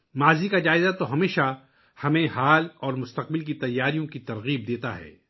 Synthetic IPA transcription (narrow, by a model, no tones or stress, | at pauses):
maːzikad͡ʒaːɪzat̪oɦɐmeːʃa | hɐmẽɦaːlɔːɾmʊst̪ɐq̚bɪlk̬it̪ɐjːaːɾijõkit̪ɐɾɣiːb̚d̪eːt̪a̰ɦɛ̰ː